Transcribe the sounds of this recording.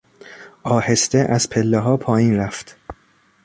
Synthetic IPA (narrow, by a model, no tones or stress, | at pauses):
ʔɒːhe̞st̪eʔæzpʰelːeɦɒːpʰɒːjiːnɾæft̪